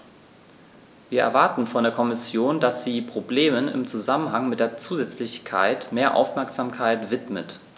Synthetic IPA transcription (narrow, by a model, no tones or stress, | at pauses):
viːɐʔɛ̰ɐvaɐtn̩fɔndeːɐkʰɔmɪsjoːndasz̥iːpʁ̥obleːmənɪ̰mt͡suzamənɦaŋmɪtd̥eːɐt͡suːzɛt͡slɪçkʰa̰ɪtmeːɐʔa̰ʊfmɛɐkz̥aːmkʰaɪtv̥ɪtmə̰t